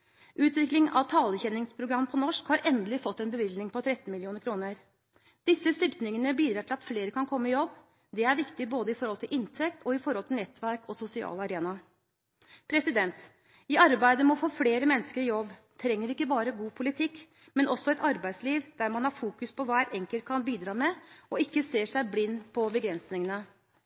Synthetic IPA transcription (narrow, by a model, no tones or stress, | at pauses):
ʔʉːt̪ʋɪklɪŋɑ̰ʋt̪ʰɑːləçɛnɪŋspʰɾʊɡɾɑmːpʰɔnɔʂkhɑɾɛnd̪əlɪfɔt̪ːɛnbəʋɪlnɪŋpɔt̪ʰɾɛt̪nmɪlɪuːnəɾkʰɾuːnəɾ | d̪̥ɪsːəst̪ʏɾt̪nɪŋənəbiːd̪ɾɑːʈʰɪlɑt̪fleːɾəkʰɑnkʰɔmːəɪjɔbː | d̪ɛæɾʋɪkt̪ɪboːd̪əɪfɔɾhɔlt̪ʰɪlʔɪnt̪ʰɛkt̪ʰɔɪfɔɾɔlt̪ʰɪlɛt̪ʋæɾkɔsʊsɪɑ̰ːlɑɾeːnɑ | pʰɾɛsɪd̪ɛnt̪ | ɪɑɾbæɪd̪əmɔfoːfleːɾəmɛnːəskəɾɪjɔbː | t̪ʰɾɛŋːəɾʋɪɪkːəbɑːɾəɡuːpʰʊlɪt̪ʰɪkː | mɛnɔsɔɛt̪ɑɾbæɪd̪sliːʋd̪̥æɾmɑnhɑɾfuːkʉspʰɔʋæːɾɛŋkəlt̪̚kʰɑnbiːd̪ɾɑːmɛɔɪkːəseːʂæɪblɪnːpʰɔbəɡɾɛnsnɪŋənə